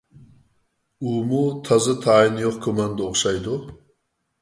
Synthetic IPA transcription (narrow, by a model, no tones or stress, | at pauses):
umut̪ʰɑzɨt̪ʰɑːinjoqkʲʰomɛnd̪ɨoχʃɑjd̪u